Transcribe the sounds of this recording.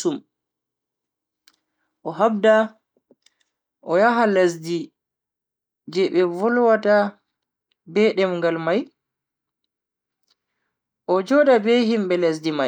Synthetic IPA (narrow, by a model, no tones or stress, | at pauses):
um | ʔɔɦabda | ʔɔjaɦalas̬di | d͡ʒɛɓɛvɔlwata | bɛɗɛmŋɡalmaj | ʔɔd͡ʒɔdabɛhimbɛlas̬dimaj